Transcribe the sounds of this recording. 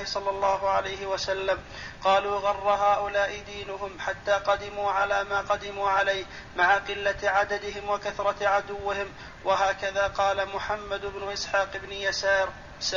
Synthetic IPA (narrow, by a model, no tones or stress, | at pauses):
hɪsˤɑlːɑlˤːɑːɦʊʕalajɦɪwasalːam | qɑːluːɣɑrˤːɑɦaːʔʊlaːʔɪd̪iːnʊɦʊmħat̪ːaːqɑd̪ɪmuːʕalaːmaːqɑd̪ɪmuːʕalajh | maʕaqɨlːaʕad̪ad̪ɪɦɪmwakaθɾˤɑʕad̪ʊwːɪhɪm | waɦaːkaðaːqɑːlamʊħamːad̪ʊbnʊʔɪsħaːqɪbnɪjasaːɾ